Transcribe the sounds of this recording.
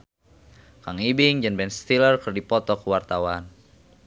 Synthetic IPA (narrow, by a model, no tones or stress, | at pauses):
kaŋibiŋd͡ʒanbɛnst̪ilərkərdipɔt̪ɔkuwart̪awan